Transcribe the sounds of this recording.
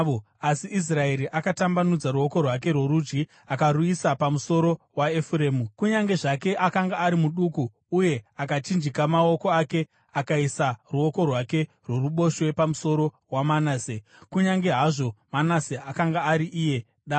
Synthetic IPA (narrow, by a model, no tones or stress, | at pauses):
o | asiʔis̬rae̞ɾiʔakatambanud͡zaɾuo̞ko̞rwak̬e̞rwo̞ɾud͡ʒɡi | akaɾuisapamuso̞ɾo̞ | waefure̞ːmukuɲaŋɡe̞ʐake̞ʔakaŋɡaːɾimuɗukuː | je̞akat͡ʃind͡ʒikamao̞ko̞ake̞ | akaisaruo̞ko̞rwake̞ | rwo̞ruɓo̞ʃwe̞pamuso̞ɾo̞ | wamanaːse | kuɲaŋɡe̞ɦaʐo̞manaseakaŋɡaːɾiʔije̞ | ɗa